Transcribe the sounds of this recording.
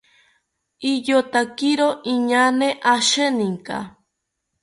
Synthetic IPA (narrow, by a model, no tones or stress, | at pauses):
ijot̪akiɾoʔiɲaneʔaʃenĩŋka̰